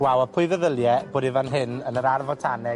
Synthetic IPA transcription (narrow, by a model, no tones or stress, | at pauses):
wawəpʰʊɨðəðəlˠjɛboːdivanɦɪnənəɾarvɔtʰanɛ